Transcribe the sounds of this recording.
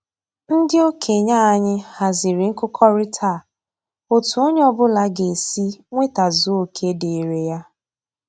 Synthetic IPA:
n̩˦dɪ˦o˦kʰe˨ɲa˦a˦ɲɪ˦ha˨zɪ˨ɾɪ˨ŋ̩˦kʊ˦kʰɔ˦ɾɪ˦tʰa˦˨ | o˨tu˨o˦ɲ˦ɔ˦bʊ˦la˦ɡe˨si˦ŋʷe˦ta˨zu˦o˨kʰe˦de˨i˨ɾe˨ja˦

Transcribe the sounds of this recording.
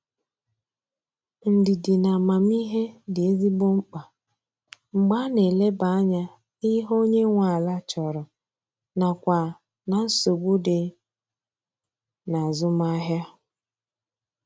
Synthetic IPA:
n̩˨dɪ˨dɪ˨na˨ma˨mi˦ɦe˦dɪ˨e˦zi˦ɡ͡bo˦ŋ͡m̩˦k͡pa˨ | ŋ͡m̩˨ɡ͡ba˦ne˨le˦ba˨˦a˦ɲa˦ | ɪ˦ɦo˦ɲe˦ŋʷa˨la˦t͡ʃɔ˨ɾɔ˨ | na˨kʷa˨ | na˨n̩˦so˨ɡ͡bu˦de˨ | na˨zʊ˦ma˦ɦja˦

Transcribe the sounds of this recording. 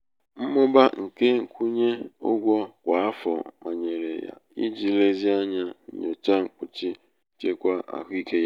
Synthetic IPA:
m̩˦mʊ˦ba˦ŋ̩˨ke˦ŋ̩˨kʷu˦ɲe˦o̰˦ɡʷɔ˦kʷa˨a˦fɔ̰˨ma˨ɲe˨ɾḛ˨ja̰˨i˦d͡ʒi˨le˦zi˦a˦ɲa˦ɲ̩˨ɲo˨t͡ʃa˦ŋ͡m̩˨k͡pu˨t͡ʃi˦ | t͡ʃe˦kʷa˦ʔa̰˨kʷi˦ke˦ja˦

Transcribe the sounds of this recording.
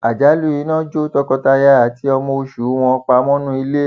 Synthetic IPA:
a˨d͡ʒa˨˦lu˦i˧˦nã˦d͡ʒo˦tɔ˧kɔ˧ta˧ja˦a˨ti˨˦ɔ˧mo˧o˧ʃu˨˦w̃ɔ̃˧k͡pa˧˦mɔ̃˦nũ˦i˧le˦

